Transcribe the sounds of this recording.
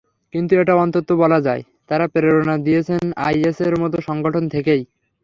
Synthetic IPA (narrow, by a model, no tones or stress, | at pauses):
kint̪ueʈaɔnt̪ot̪ːobɔlad͡ʑae | t̪aɾapeɾeɾonad̪ijet͡ɕʰena̰jeseɾmɔt̪̬oʃɔŋɡoʈʰont̪ʰekej